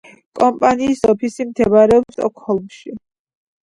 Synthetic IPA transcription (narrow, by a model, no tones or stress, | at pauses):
kʼɔmpʼaniːsɔpʰisimt̪ʰɛvaɾɛɔpsɔ̰kʰhɔlˠmʃi